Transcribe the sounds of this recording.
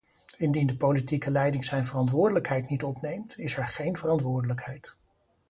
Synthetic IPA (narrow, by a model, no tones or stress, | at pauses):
ɪndindəpowlitikəlɛjdɪŋzɛjnvərɑntʋʊːɹdələkɦɛjtnitɔpnejmtɪsɛɹχejnvərɑntʋʊːɹdələkɦɛjt